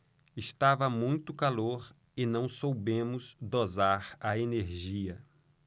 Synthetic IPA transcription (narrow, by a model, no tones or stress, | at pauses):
ɪst̪avɐmũj̃t̪ʊkaloɾ | ɪnɐ̃w̃sowbẽmʊzd̪ozaɾɐeneɾʒiɐ